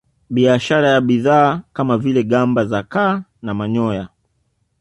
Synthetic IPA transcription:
ɓiaʃaɾajaɓiðaːkamavilɛɠambazakaːnamaɲɔja

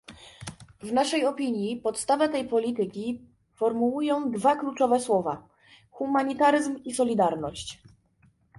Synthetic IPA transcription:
vnaʂɛjɔpʲiɲjipɔt̪st̪avɛt̪ɛjpɔlʲit̪ɘkʲi | fɔɾmuujɔ̃w̃d̪vaklut͡ʂɔvɛswɔva̰ | xumaɲit̪aɾɘzmisɔlʲid̪aɾnɔɕt͡ɕ

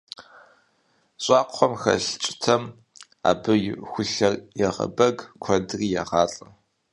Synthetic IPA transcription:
ɕʼɑːqʷχʷɔmxɐ̰ɬt͡ʃʼɪ̥tʰɐm | a̰ːbɨjxʷʊɬɐrjɛʁɐ̰bɐɡkʷʰɔdriːjaʁɑːɬʼɐ

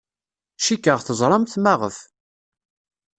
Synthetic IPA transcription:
ʃikːəʁθəzˤɾˤɑmt̪maʁə̰f

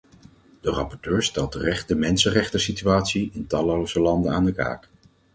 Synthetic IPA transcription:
d̥ərɑpɔɹtøːɹstɛlˠtərɛχtdəmɛnsərɛχtəsityaːtsiɪntɑlowzəlɑndənaːndəka̰ːk

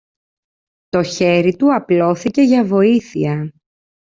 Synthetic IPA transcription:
t̪o̞çe̞ɾit̪uɐplo̞θice̞ʝɐvo̞iθiɐ

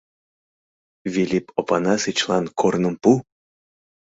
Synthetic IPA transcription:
vʲilʲipʰopɑnɑsɨt͡ɕlˠɑnkʰornə̆mpu

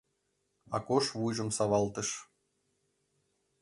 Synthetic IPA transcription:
ɑ̰koʃβujʒɤ̆msɑʋɑlˠt̪ɤ̆ʃ

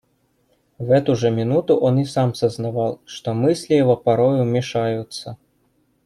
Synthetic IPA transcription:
ɣɛt̪uʐɐmʲinut̪uʔɔnisamsɐznavalˠʂt̪ɔmɨsʲlʲijɛvɔpaɾɔjumʲɛʂajut̪sːɐ

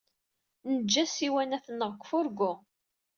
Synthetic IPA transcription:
nəd͡ʒːæsiwænæθənːəʁkʷːfʊɾɡʊ

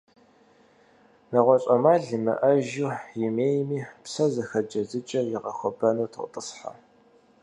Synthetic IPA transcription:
nɐʁʷɔɕʼɐmaːɮɨmɐ̰ʔɐʒujɪmeːjmiːpsɐzɐxɐd͡ʒɐzɨt͡ʃʼɐjɪʁɐxʷɔbɐnuːtʰəqʷʼtʼəsħa̰

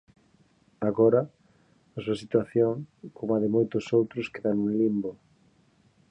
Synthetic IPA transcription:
aɣɔɾɐ | ɐsuɐsit̪waθjoŋkomaðɪmojt̪ʊsowt̪ɾʊskeðanũŋlimbo

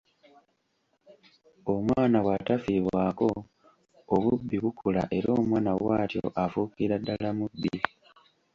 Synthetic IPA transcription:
omwaːnawatafiβwako̞ | oβubːiβukʰula̰ʔe̞ɾo̞ːmwaːnawaːtjo̰ʔafukiɾadːalamubːi

